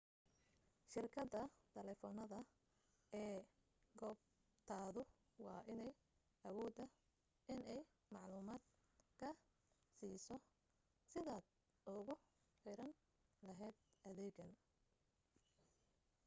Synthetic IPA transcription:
ʃɪrkʰɐd̪ɐt̪ʰɐlɛːfɔːnɐðɐ | ɛː | ɡɔːb̚ | t̪ʰaːðʊ | wɑːʔɪnɛj | ʔɐwɔːd̪ɐ | ʔɪnɛj | mɑʕluːmaːd̪ | kʰɐ | siːsɔ | sɪðaːd̪ | ʊɣʊ | ħɪɾɐn | lɐɦɛːd̪̚ʔɐðɛːɡɐn

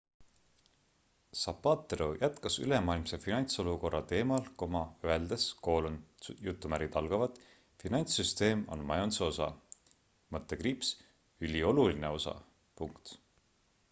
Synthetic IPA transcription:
sɑpːɑːt̪ːˑeɾojʔæt̪kɑsy̰le̞mɑːilmsefinɑnʲt̪so̞luko̞rːɑt̪e̞ːmɑlko̞mɑøeld̪̥esko̞ːlunjut̪ːumæɾɡit̪ɑlɡ̥ɑvɑd̪ | finɑnʲt̪syst̪e̞ːmo̞̰nmɑjonseo̞sɑ̰ | mɤt̪ːˑekriːps | ylʲio̞luline̞o̞sɑ̰ | puŋkt̪

